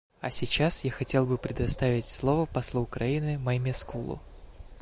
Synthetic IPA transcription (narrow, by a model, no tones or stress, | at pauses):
ɐsʲɪt͡ɕasjaxɐtʲe̞lˠbɨpɾʲɪd̪ɐst̪avʲɪtʲslˠovəpɐslˠuʊkɾɐinɨmɐmʲɪskulˠʊ̰